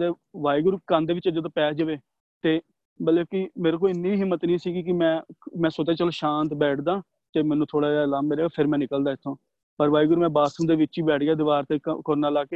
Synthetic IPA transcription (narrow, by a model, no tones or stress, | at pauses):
d̪eː | ʋaːiɡʊɾkənd̪eːʋɪt͡ʃəd͡ʒeːd̪oːpɛːd͡ʒəʋeː | t̪eː | bəleːkɪmeːɾek̬oːɪnːiːɦɪmːət̪niːsiːɡik̬ɪmɛ̃ːmɛ̃ːsot̪eːt͡ʃəloːʃãːnt̪bɛːʈʰd̪aː | t̪eːmɛ̃ːnũːt̪ʰoːɽaːaːlaːmːeːɾeːpʰɪɾmɛ̃ːnɪkəld̪aːɪt̪ʰːõː | pəɾʋaːiɡʊɾmɛ̃ːbaːsəmd̪eːʋɪtːt͡ʃiːbɛːʈʰɡɪjaːd̪ɪʋaːɾt̪ekəɾnaːlaːkeː